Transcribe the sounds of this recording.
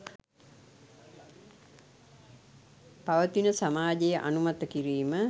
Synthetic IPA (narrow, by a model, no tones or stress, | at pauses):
paʋət̪inəsamaːd͡ʒejəʔanumat̪əkiɾiːmə